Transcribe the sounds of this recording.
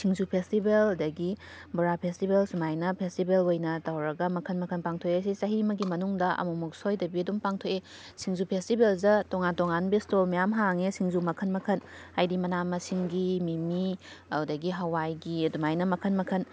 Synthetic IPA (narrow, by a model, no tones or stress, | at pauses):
sʰiŋzupʰestibelɐdɐɡi | buɾapʰestibelsumajnɐpʰestibelojnɐtawɾɐɡɐmɐkʰɐnmɐkʰɐnpaŋtʰoeɐs̬isɐɦimɐɡimɐnuŋdɐʔɐ̰mumuk̚sojdɐbiɐdumpaŋtʰoe | siŋzupʰestibelzɐtoŋatoŋanbistolmijamɦaŋesiŋzumɐkʰɐnmɐkʰɐnhajdimɐnamɐsiŋɡimimiwdɐɡiɦɐwajɡidumajnɐmɐkʰɐnmɐkʰɐn